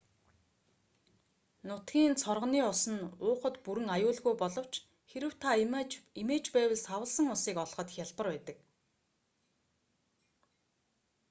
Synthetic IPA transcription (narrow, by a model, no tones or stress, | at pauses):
nʊt̪ɡʲiːnt͡sʰɔrʁə̆niːʊsə̆nʊːχə̆t̪puɾɘ̆ŋajʊːɮɣujpɔɮɞ̆w̥t͡ɕ | xeɾɘ̆w̥t̪ʰaimeːt͡ɕpæːwə̆ɮsawə̆ɮsə̆ŋʊsiːkɔɮχɞ̆t̪xʲjaɮpə̆rpæːt̪ə̆k